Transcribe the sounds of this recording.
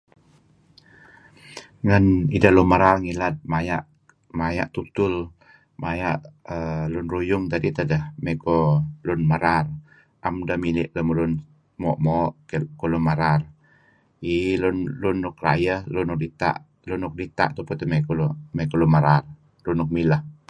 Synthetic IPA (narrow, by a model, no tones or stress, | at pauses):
ŋanidalunmaɾarŋilat̪̚majaʔ | maja̰ʔt̪ut̪ʊl | majaʔəlʊnɾujʊŋt̪adit̪ədəhmekɔlʊnmaɾar | ʔamdamilɪʔləmulʊn | mɔʔmɔʔkolunmaɾar | ilʊnlʊnːʊk̚ra̰jəhlʊnuk̚dit̪a̰ʔ | lunʊk̚dit̪a̰ʔt̪uput̪əmekɔlmekɔlunmaɾar | lunʊk̚milah